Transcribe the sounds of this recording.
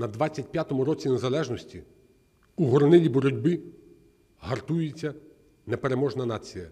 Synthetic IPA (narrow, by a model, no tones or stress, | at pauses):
nɐd̪ʋɑt͡sʲːɐtʲpʲjat̪ɔmʊɾɔt͡sʲinezɐlˠɛʒnɔsʲtʲi | uɦɔɾɔnɪlʲibɔɾɔdʲbɪ | ɦɐrt̪ujet͡sʲːɐ | nepe̞ɾemɔʒnɐnɑt͡sʲijɐ